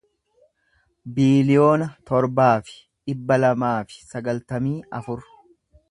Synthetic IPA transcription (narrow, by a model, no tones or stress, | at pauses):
biːlɪjo̞ːnɐt̪ɔɾbaːfɪ̥ | ᶑɪbːɐlɐmaːfɪ̥sɐɡɐlt̪ɐmiːʔɐfʊɾ